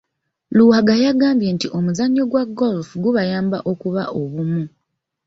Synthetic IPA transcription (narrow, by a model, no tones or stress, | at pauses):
luhaɡajaɡaːmbje̞ːntiʔo̞muzaɲːo̞ɡwaɡolfuɡuβajaːmba̰ʔo̞kuβaʔo̞βumu